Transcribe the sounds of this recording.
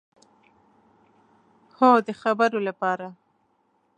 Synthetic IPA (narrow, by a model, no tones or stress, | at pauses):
hod̪əxabəɾolapɑɾa